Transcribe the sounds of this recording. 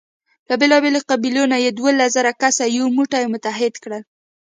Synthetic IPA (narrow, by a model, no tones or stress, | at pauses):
labelɑbeloqabilonajed̪walazaɾakasajomuʈajmʊt̪aɦɪd̪kɽəl